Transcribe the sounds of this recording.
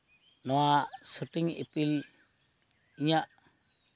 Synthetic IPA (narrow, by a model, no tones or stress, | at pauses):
nɔwasuʈiŋḛpil | iɲaʔ